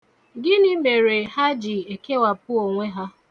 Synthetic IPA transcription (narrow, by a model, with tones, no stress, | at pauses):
ɡɪ˦nɪ˦me˨ɾe˨ha˦d͡ʒɪ˨e˨ke˦wa˨pʊ˦o˨ŋʷe˦ɦa˦